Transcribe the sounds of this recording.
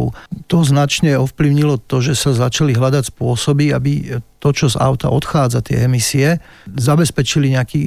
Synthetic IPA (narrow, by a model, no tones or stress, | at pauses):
ʊt̪ɔznat͡ʃɲɛɔfpliʊɲilɔt̪ɔʒɛsazat͡ʃaliɦlad̪acspʊɔsɔbiabit̪ɔt͡ʃɔza̰ʊt̪a̰ʔɔt̪xaːd͡zat̪ɪɛ̰ɛmisiɛ | zabɛspɛt͡ʃiliɲɛakiː